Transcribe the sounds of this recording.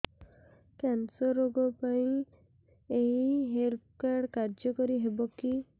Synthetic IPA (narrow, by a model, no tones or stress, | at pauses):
kɛnsɔɾoɡɔpaĩ | eɦiɦelt̪̚ʰkaɽkaɾd͡ʒjɔkɔɾiɦebɔki